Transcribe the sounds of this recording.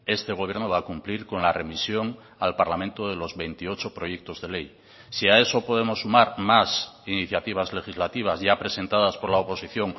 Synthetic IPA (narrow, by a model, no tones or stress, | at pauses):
e̞st̪e̞ɣ̞o̞β̞je̞ɾnoβakumpliɾko̞nlare̞misjo̞ŋ | alpaɾlamẽnt̪oðelo̞zβe̞jnt̪io̞t͡ʃo̞pɾo̞jek̚t̪o̞zðe̞le̞j | siae̞so̞po̞ð̞emo̞sːumaɾmasiniθjat̪iβ̞azle̞xizlat̪iβ̞azʝapɾe̞se̞nt̪aðaspo̞ɾlaopo̞siθjo̞ŋ